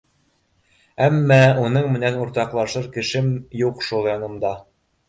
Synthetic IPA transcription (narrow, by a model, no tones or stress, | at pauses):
æmːæunɤɴmɘ̆nænuɾt̪ɑqlˠɑʃɤɾkɘ̆ʃɘmjuqʃulˠjɑnɤ̆md̪ɑ